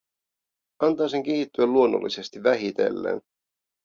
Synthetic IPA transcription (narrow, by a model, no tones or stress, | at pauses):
ɑnt̪ɑːse̞ŋk̟eɦit̪ːyælːuonːo̰lːise̞st̪iʋːæɦit̪e̞lːḛːn